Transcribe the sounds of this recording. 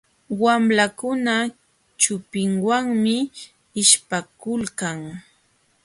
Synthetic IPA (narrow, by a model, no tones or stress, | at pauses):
wamlakʊna | t͡ʃʊpɪŋwaŋmɪ | ɪʃpakʊlkaŋ